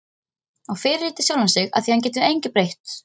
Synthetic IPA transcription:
aɣfɪːɾɪɾiːt̪ɪ̥sjawlansɪɣa̰ðθihanc̬ɛːt̪ɪʏðejɲcɪpɾejht̪

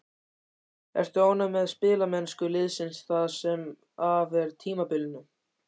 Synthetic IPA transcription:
ɛ̰r̥t̪ʏoːwnamɛðspɪːlamɛnskʏlɪðsɪnsθaðsɛm | avɛɾt̪ʰiːmapɪlɪnːʏ

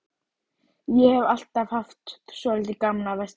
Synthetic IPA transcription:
jɛhɛval̥t̪av̥haft̪sɔlɪlt̪ɪkamnavast̪

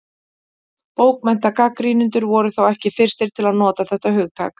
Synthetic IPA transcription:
poːwkmɛn̥t̪akakɾiːnʏnt̪ʏɾvɔɾʏθawɛhcɪfɪr̥st̪ɪɾ̥t̪ʰɪlaðnɔːt̪aθɛht̪ahʏɣt̪ʰa̰ːk

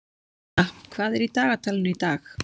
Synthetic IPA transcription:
akʰvaːðɪɾit̪aːɣat̪ʰalnʏjt̪aːx

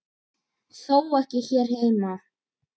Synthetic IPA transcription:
θowɛhcɪçɛɾ̥heːjma

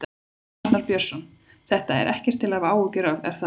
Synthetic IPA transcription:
t̪naɾpjœr̥sɔn | θɛht̪aɛ̰ɾʔɛhcɛɾ̥t̪ʰːɪlavaːwʏcɛɾavɛ̰ɾ̥θa

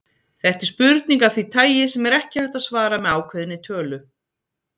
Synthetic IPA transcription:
θɛht̪ɪ̥ɾ̥spʏɾt̪̚niŋkavθit̪ʰaːjɪsɛmɛɾɛhcɪhɛht̪asvaːɾamɛðaːwkʰvɛðɪnːɪt̪ʰœːlʏ

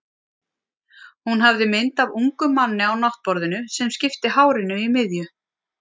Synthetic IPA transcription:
hunɦavðɪmɪnt̪avuŋkʏmanːɪawnaht̪̚pɔɾðɪnʏsɛmscɪft̪ɪhaːwɾɪnʏimɪðjʏ

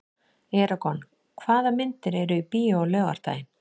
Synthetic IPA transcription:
ɛːɾakɔn | kʰvaːðamɪnt̪ɪɾɛɾʏipiːolœːɣa̰ɾ̥t̪a̰ːjɪn

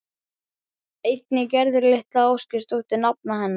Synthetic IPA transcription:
ejt̪nɪcɛɾðʏɾleht̪laowscɪ̥st̪uht̪ɪnap̚naɦɛnːa

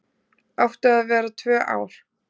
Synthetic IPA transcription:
ɔwht̪aðavɛːɾat̪ʰvœːʔa̰ːwɾ̥

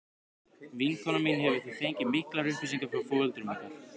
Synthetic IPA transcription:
viŋkʰɔnɔminhɛvʏ̥θiθejɲcɪmɪhklaɾʏhpvʏsiŋkafɾawfɔvœlt̪ʏɾmar̥kḁ

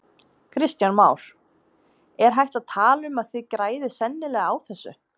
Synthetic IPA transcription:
kʰɾɪst̪janmaːwɾ̥ | ɛɾ̥ɦajht̪aðt̪ʰaːlʏmaðθɪðkɾaːjðɪsɛnːɪlɛɣaawθɛsːʏ̰

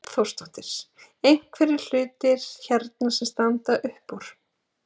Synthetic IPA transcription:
θowrst̪ɔht̪ɪɾ̥s | ejŋ̥kʰvɛɾɪɾ̥l̥ʏːt̪ɪɾ̥çɛɾt̪nasɛmst̪ant̪aʔʏhpːuɾ̥

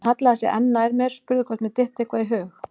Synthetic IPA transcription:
hat̪laðasjɛ̰ʔɛ̰nːajɾmɛɾ̥spʏɾðkʰɔht̪mɛt̪ɪht̪ehkvaðiɦʏːx

